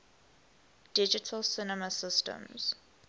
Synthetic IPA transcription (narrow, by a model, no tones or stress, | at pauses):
d̥ɪd͡ʒɪtʰəlsɪnəməsɪstə̰̃mz̥